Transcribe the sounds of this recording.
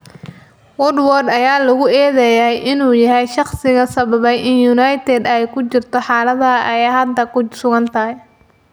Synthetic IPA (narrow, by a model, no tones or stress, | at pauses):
wɔrd̪wɔrd̪ɐjaːlɐɣʊɛːðɛjɐɦɛjʔɪnuːjɐɦɛjʃɑχsɪɣɐsɐβɐβɛjʔɪnjunɑjt̪ʰɛd̪ɛjkʰʊt͡ʃɪrt̪ʰɔħɑːlɐðɐʔɐjɛjɦɐd̪ɐkʊsʊɣɐnt̪ʰɐɦɛj